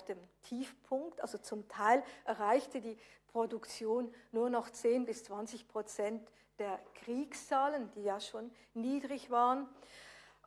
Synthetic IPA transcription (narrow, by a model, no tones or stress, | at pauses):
fd̥eːmtʰiːfpʰʊŋktʔa̰lzot͡sʊmtʰaɪlʔɛɐʁaɪçtədiːpʁ̥odʊkt͡sjoːnːuːɐnɔχt͡seːnbɪst͡sv̥ant͡sɪçpʁ̥ot͡sɛnt | d̥eːɐkʁ̥iːkst͡saːlənd̥iːjaːʃoːnː | iːdʁɪçv̥aːʁən